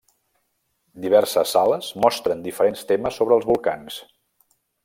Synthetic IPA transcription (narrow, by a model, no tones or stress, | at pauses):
d̪iβ̞ɛɾsəsːaləzmɔst̪ɾənd̪ifəɾenst̪eməsːoβɾəlˠzβulˠkans